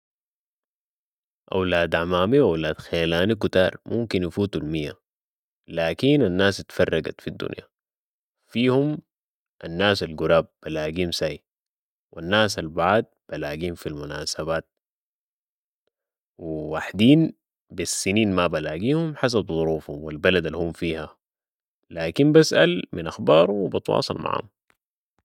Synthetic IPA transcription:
ʔa̰wlaːd̪ʕamaːmiʔawlaːd̪̥xeːlaːnikut̪a̰ːɾˤmumkinjafuːt̪ulmijːa̰ | laːkinanːaːst̪fɑrˤːɑɡa̰t̪fid̪ːṵnja̰ | fiːhum | ʔanːaːsalɡuɾaːb̚b̥alaːɡiːmsai | wanːaːs̬albaʕd̪̚b̥alaːɡiːmfilmunaːsabaːt̪̚ | wiwaħd̪iːn | bisːiniːnmabalaːɡiːhumħas̬abzˤuɾuːfhṵmwilbalad̪alːhumfiːha | laːkimbasʔa̰lminʔaxbɑːɾˤuwbɑt̪wɑ̰ːsˤɑlma̰ʕ̰hṵm

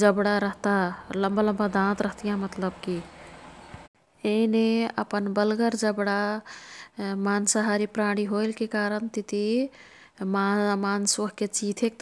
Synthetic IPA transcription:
d͡ʒəbɽaɾəɦt̪aləmbaləmbad̪ãt̪ɾəɦt̪ijãmət̪ləbki | eineə̰pənbəlɡəɾd͡ʒəbɽa | mansəɦaɾipɾaɽ̃iɦoɪlkekaɾənt̪it̪i | mamansoɦket͡ʃit̪ʰek̚t̪

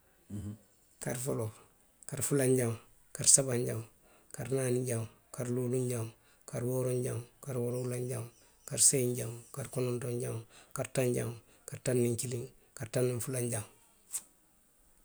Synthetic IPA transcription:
kaɾfolo | kaɾfulaɲɟaŋ | kaɾsabaɲɟam | kaɾnaːniɲɟaŋ | kaɾluːluɲɟaŋ | kaɾboːɾoɲɟaŋkaɾwoɾoulaɲɟaŋ | kaɾseɲɟaŋkaɾkonontoɲɟaŋkaɾtaɲɟaŋ | kaɾtanːiɲkiliŋ | kaɾtanːiɱfulaɲɟaŋ

